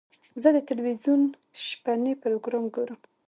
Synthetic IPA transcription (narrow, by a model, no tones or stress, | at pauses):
zəd̪ət̪alwizjun | ʃpanepɪloɡɾɑmɡuɾum